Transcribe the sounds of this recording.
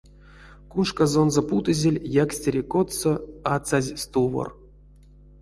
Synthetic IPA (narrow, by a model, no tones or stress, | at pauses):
kuʂkazo̞nzoput̪ɨzʲelʲjaksʲtʲeɾʲikot̪soat̪sazʲst̪uvo̰r